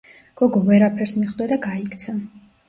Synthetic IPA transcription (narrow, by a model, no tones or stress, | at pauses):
ɡ̥ɔɡɔvɛɾapʰɛɾsmiχd̪ɛd̪aɡaikʰt̪sʰa